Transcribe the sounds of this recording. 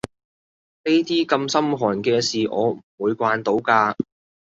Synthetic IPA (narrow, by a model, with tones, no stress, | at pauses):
ne˥jt̪iː˥kɐ˧msɐ˥mɦɔː˨˩nkɛː˧siː˨ʔɔː˨˧m̩˨˩wuː˨˧jkʷaː˧nt̪o˨˥wkaː˧